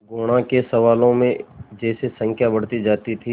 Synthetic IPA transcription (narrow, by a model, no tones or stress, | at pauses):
ɡoːɽ̃ãkesɐʋaːlõmẽd͡ʒɛːsesə̃ŋkʰjabɐɽ̤t̪id͡ʒaːt̪it̪ʰi